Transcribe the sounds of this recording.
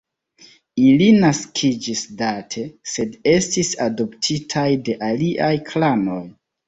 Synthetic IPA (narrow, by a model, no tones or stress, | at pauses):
ilinaskʰid͡ʒisdatʰe̞se̞de̞stisado̞ptʰitʰajde̞ʔaliʔajkʰlano̞j